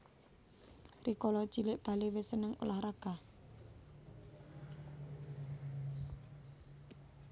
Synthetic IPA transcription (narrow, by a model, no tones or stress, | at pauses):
rikɔlɔt͡ʃilɪʔb̥a̤lewɪsənəŋṵlahɾaɡ̥a